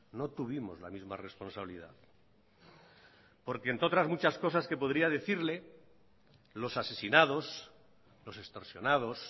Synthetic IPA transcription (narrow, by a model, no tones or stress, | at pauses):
no̞t̪uβimo̞zla̰mizmare̞spo̞nsaβiliða̰ð | po̞ɾke̞ent̪o̞t̪ɾazmut͡ʃasko̞s̬aske̞po̞ðɾiaðe̞θiɾle̞ | lo̞sase̞sinað̞o̞s | lo̞se̞st̪o̞ɾsjo̞nað̞o̞s